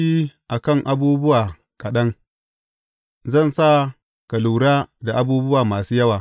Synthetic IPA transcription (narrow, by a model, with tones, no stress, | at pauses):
i˦ʔa˨kɐ˦˨ŋʔa˦buː˦bʊ˦waː˨ | kʼɐ˨ɗɐ˦ŋ | zɐ˦˨nsa˦˨ | kɐ˨luː˨ɽaː˦da˨ʔa˦buː˦bʊ˦waː˨maː˨suː˦jɐ˦waː˨